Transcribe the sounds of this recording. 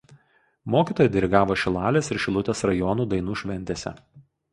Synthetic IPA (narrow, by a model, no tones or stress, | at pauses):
moːkʲiːt̪oːjɛd̪ʲɛɾʲɪɡɑːʋoːʃʲɪlˠɑːlʲeːsɪɾʃʲɪlˠʊt̪ʲeːsɾɐjɔnuːd̪ɐɪnuːʃʲʋʲɛnʲt̪ʲeːsʲɛ̰